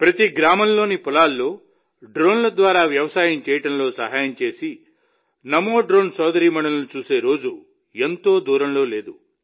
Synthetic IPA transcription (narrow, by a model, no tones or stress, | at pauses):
pɾɐt̪iɡɾaːmɐnlo̞ːnipulaːlːoː | ɖɾoːnlɐd̪ʋaːɾaːʋjɐʋɐsaːjɐmt͡ʃeːjɐʈɐnɐloːsɐɦaːjɐmt͡ʃe̞ːsi | nɐmoːɖɾoːnsɔːd̪ɐɾiːmɐɳɐlɐlut͡ʃuːseːɾo̞ːd͡ʒu | ent̪oːd̪uːɾɐnɐloːle̞ːd̪u